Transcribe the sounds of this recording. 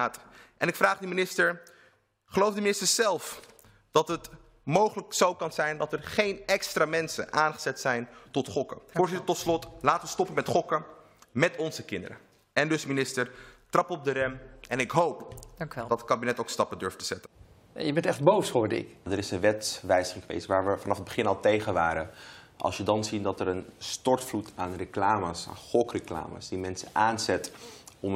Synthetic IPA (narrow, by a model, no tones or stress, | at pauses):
atʔɛnɪkfraːχdəminɪstəɹ | χəlowfdəminɪstəɹzɛlˠf | d̥ɑtɦət | mowχələksowkɑnzɛjndɑtɛɹχejnɛkstraːmɛnsə̰nʔaːnχə̥z̥ɛtsɛjntɔtχɔkə̰fʊːɹzɪtəɹtɔtslɔtlaːtəʋəstɔpənmɛtχɔkə | mɛtɔnzəkɪndə̰ɾə̰ | ɛndɵsminɪstəɹtrɑpɔb̚dəɾɛmɛnɪkɦowpdɑtəkaːbinɛtowkstɑpədøɹftəz̥ɛtən | jəbɛntɛχd̚bowshoːdɪ̰kdəɾɪsənʋɛtʋɛjzəχɪŋkʋḛjsʋaːɹʋəfɑnɑfɦəd̚bəχɪnɑlˠtejχənʋaːɾəʔɑ̰lˠsjədɑnzidɑtəɾənstɔɹtflutaːnreklaːmasa̰ːnχɔkrəkla̰ːma̰sdimɛnsəʔaːnzɛtɔm